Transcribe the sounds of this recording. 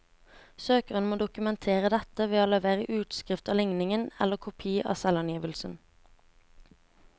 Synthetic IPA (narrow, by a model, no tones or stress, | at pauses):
søːkəʁənmoːd̪ʊkʉmɛnt̪ʰeːʁəd̪ɛt̪əʋeːoːləʋeːʁəʔʉːt̪skʁɪft̪ɑːlɪŋnɪŋənɛ̰ləkʰʊpʰiːəʔɑ̰ːsɛlɑnjiːʋəlsən̩